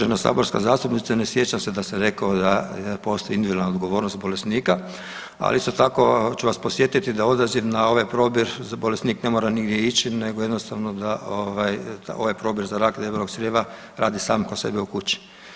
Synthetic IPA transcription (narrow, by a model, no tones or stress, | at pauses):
enasa̰ːboɾska̰zaːst̪upnit̪sanesʋjet͡ɕamsed̪aseɾe̞kaod̪aepo̞st̪o̞jiind̪iʋid̪naod̪ɡo̞ʋo̞ːɾnost̪̚bo̞lesniːka | a̰list̪ot̪ako̞t͡ʃuʋasposjet̪it̪id̪ao̞d̪aziʋnao̞ʋajpɾo̞ːbjiɾzabo̞lesniːkne̞moɾaniɡd̪jeit͡ʃineɡoje̞d̪nost̪aʋnod̪aʔoʋajo̞ʋajpɾoːbjiɾzaɾaːkd̪jebelˠoɡsɾʲjeːʋa | ɾaːd̪isaːmkosebeukut͡ʃi̥